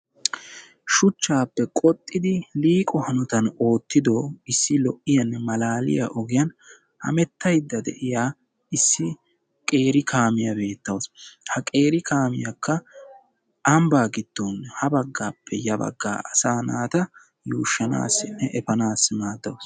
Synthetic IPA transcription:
ʃʊt͡ʃːaːpːɛkʼɔt̪ʼːɪd̪ɪliːkʼɔhɐnʊt̪ɐno̞ːt̪ːɪd̪oːɪsːɪlɔʔɪjɐnːɛmɐlaːlɪ̰jɐ̰ʔɔɡɪjɐn | hɐ̰mɛt̪ːɐjd̪ːɐd̪ɛ̰ʔɪjaː | ɪsːɪ | kʼe̞ːɾɪkʰaːmɪjɐbe̞ːt̪ːɐwshɐkʼe̞ːɾɪkʰaːmɪjɐkʰːɐ | ɐmbaːɡɪd̪̥ːoːnːhɐbɐɡːaːpʰːɛjɐbɐ̰ɡːa̰ːʔɐsaːnaːt̪ɐ | juːʃːɐna̰ːsɪnːɛʔɛfɐnaːsːɪmaːd̪ːɐws

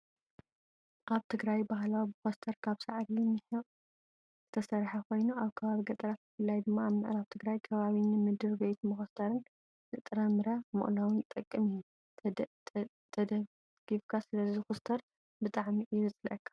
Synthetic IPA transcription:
ʔaβt̪ʰɨɡɾajbaɦlawbɨxost̪ʰɐɾkʰaβsaʕɾinɨħɨʔʼ | zɨt̪ʰɐsɐɾħakʰo̞jnuaβkʰɐβaβiɡɐt̪ʼɐɾat̪ɨfɨlːajd̪ɨmːaːβmɨʔɾaβt̪ʰɨɡɾajkʰɐβaβinɨmɨd̪ɨɾbe̞t̪mɨxɐst̪ʰɐɾɨnː | ɨt̪ʼɨɾɐmɨɾamɨ̰ʔʼlawɨnt̪ʼɐkʼːɨmiju | t̪ʰɐ | ɡ̥ifkʰasɨlɐzixust̪ʰɐɾ | bɨt̪ʼaʕmiʔɪmɨt͡sʼlɐʔɐkʰːḁ

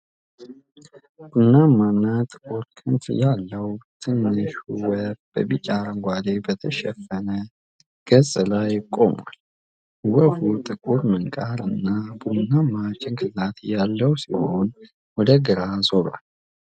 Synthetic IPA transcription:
b̥unːamːanːat̪ʼɨkʼuɾkʰɨnt̪jalːəwt̪ʰɨnːɨʃuwəb̥ə̰bit͡ʃʼaɾəŋɡʷad̪ebət̪ʰəʃɛfːənə | ɡ̥əzʼlajkʼːo̞̰ma̰l | wəhut̪ʼɨkʼuɾmɨŋkʼaɾɨnːabunːamːat͡ʃʼːɪŋkʰɨlat̪jalːəwsiho̞n | wɔd̪əɡɨɾazoɾa̰l

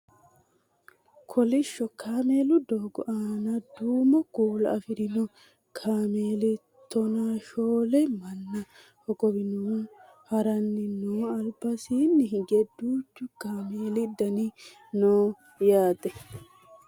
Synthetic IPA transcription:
kʰɔlɪʃːɔkʰaːmeːlʊd̪oːɡɔʔaːnɐd̪uːmɔkuːlɐ̰ɐfɪɾɪnɔ | kʰaːmeːlɪ | t̪ːɔnaːʃoːlɛmɐnːɐ | hɔkɔbɪnuː | hɐɾɐnːɪnuːɐlbɐsiːnːɪhɪɡɛd̪uːt͡ʃːʊkaːmeːlɪd̪ɐnɪ | noː | jaːt̪ʼɛ

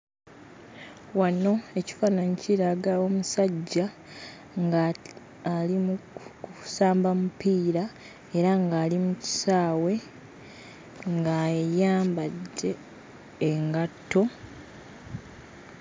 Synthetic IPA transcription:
wano̞e̞ci̥faːnanciɾaɡao̞musaɟːa | ŋɡa | alim | saːmbamupiːɾa | e̞ɾaŋɡaːlimuci̥saːwe̞ | ŋɡajaːmbadːe̞ː | ŋɡatːo̞

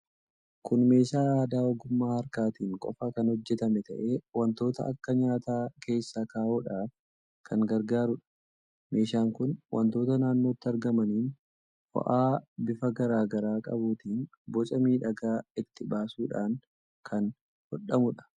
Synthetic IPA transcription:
kʊnme̞ːʃaːaːd̪aːɔɡʊmːaːhɐɾkaːt̪iːŋkʼɔ̰fɐkɐnhɔd͡ʒːɛt̪ɐmɛt̪ɐʔe̞ːwɐnt̪o̞ːt̪ɐ̰ʔɐ̰kːɐɲaːt̪aːkʰe̞ːsːaːkaːʔuːᶑaːf | kʰɐŋɡɐɾɡaːɾʊᶑɐ̥ | me̞ːʃaːŋkʊnwʔɐ̰nt̪o̞ːt̪ɐnaːnːo̞ːt̪ːɪɐɾɡɐmɐniːn | fɔ̰ʔaːbɪfɐɡɐɾaːɡɐɾaːkʼɐ̰buːt̪iːn | bɔt͡ʃʼɐmiːᶑɐɡaːɪt̪ːɪbaːsuːᶑaːŋ | kʰɐn | hɔɗɐmʊᶑɐ̥

